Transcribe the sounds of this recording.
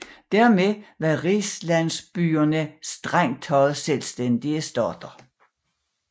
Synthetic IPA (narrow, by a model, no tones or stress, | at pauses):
d̥æɐ̰meʋɑʁislæn̰sb̥yːɐnəsd̥ʁaŋ̰d̥hɒ̽ð̩ˠselsd̥end̥iəsd̥ɒd̥ɐ